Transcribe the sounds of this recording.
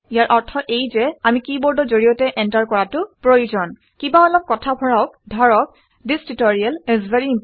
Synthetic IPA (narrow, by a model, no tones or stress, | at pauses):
ijaɹʔɔɹtʰɔʔejzɛamikibɔɹdɔzoɹijɔtɛʔɛntaɹkɔɹatʊpɹojud͡ʒɔn | kibaɔlɔp̚kɔtʰabʱɔɹak̚dʱɔɹɔk̚ | distitɔɹiɛlɛzvɛɹi